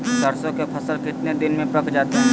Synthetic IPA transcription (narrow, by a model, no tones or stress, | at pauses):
kɐɾsõkepʰɐsəlkɪt̪ned̪ɪnmẽpɐkd͡ʒaːt̪eɦɛ̃